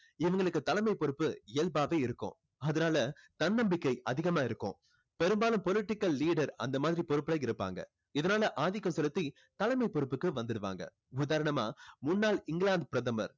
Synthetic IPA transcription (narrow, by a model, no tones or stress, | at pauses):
ɪʋɐŋɡɐɭɯkːɯt̪ɐlɐmɐɪpɔɾɯpːɯɪlbaːʋeːɪɾɯkːʊ̰̃ | ɐðɐnaːlɐt̪ɐnːɐmbɪkːɐɪʔɐðɪɣɐmaːɪɾɯkːʊ̰̃ | pɛɾɯmbaːlɯmpɔlɪʈːɪkːɐlːiːɽɐɾɐ̰nd̪ɐmaːðɪɾipɔɾɯpːɐlɐɪɪɾɯpːa̰ːŋɡɐ̰ | ɪðɐnaːlɐʔaːðɪkːɐmsɛlɯt̪ːi | t̪ɐlɐmɐɪpɔɾɯpːɯkːɯʋɐnd̪ɯɽɯʋa̰ːŋɡɐ̰ | ʊðaːɾɐɳɐma̰ːmʊnːaːlɪŋɡɪlaːɳd̪̚pɪɾɐðɐmɐ̰ɾ